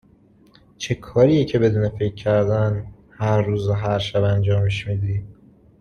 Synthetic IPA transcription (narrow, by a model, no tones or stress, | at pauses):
t͡ʃʰe̞kʰɒːɾijecʰe̞be̞d̪uːne̞fecʰːæɾd̪æn | hæɾːuːzoɦæɾʃæbænd͡ʒɒːmeʃmiːd̪iː